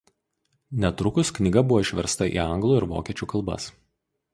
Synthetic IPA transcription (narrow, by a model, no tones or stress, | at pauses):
nʲɛt̪ɾʊkʊsknʲɪɡɐbʊʋoːɪʃʲʋʲɛɾst̪ɐʔḭːɐŋɡlˠuːɪɾʋo̰ːkʲiɛt͡ʃʲuːkɐlˠbɐ̰s